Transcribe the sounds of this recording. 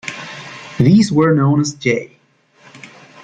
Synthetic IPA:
ðiːzwə˞nõʊ̃nəzd͡ʒeɪ

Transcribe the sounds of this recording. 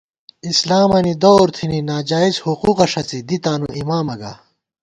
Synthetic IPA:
islaːmɐnid̪oːɾt̪ʰininaːd͡ʑaːizhuquːqɐʂɐt͡sid̪it̪aːnṵʔimaːmɐɡa̰ː

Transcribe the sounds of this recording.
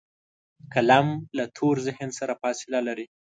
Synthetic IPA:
kalamlat̪ʰoɾzɪhɪnsaɾafɑsɪlalaɾi

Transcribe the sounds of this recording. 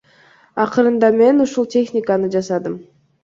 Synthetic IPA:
ɑqɯɾɯnd̪ɑme̞nuʃulˠtʲe̞xnʲɪkanɯd͡ʒɑsɑd̪ɯm

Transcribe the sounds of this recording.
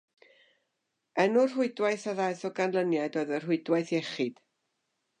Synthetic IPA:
ɛnʊr̥ɦʊɨdwaɨθaðajθɔɡanlˠənjaɨdoːɨðər̥ɦʊɨdwaɨθjɛχɪd̥

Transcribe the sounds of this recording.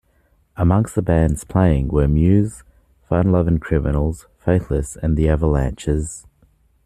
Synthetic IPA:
əmʌ̃ŋkstðəbæ̃ndz̥pʰl̥eɪɪ̃ŋwəmjʉːz̥ | fəʌ̃nlʌvɪ̃ŋkʰɹ̥ɪmənl̩ˠz̥ | feɪθləsə̃nðiɛvəlæ̃nt͡ʃɪz̥

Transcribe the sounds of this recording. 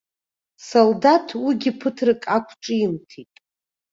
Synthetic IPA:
soldatʰwiɡʲipʰɨtʰrɨkʼakʷʰʈ͡ʂʼɨjintʰitʼ

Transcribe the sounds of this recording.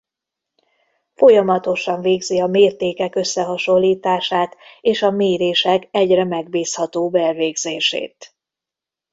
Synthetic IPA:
fo̞jɒmɒt̪o̞ʃɒɱveːɡziɒmeːrt̪eːkɛkø̞sːɛɦɒʃo̞lːiːt̪aːʃaːt̪eːʃɒmeːɾeːʃɛkɛɟrɛmɛɡbiːshɒt̪oːbɛlveːɡzeːʃḛːt̪

